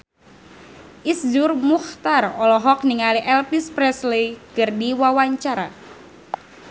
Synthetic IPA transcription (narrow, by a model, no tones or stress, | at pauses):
ʔisd͡ʒurmuxt̪arɔlɔɦɔk̚niŋaliʔɛlpispɾɛslekərdiwawaɲt͡ʃaɾa̰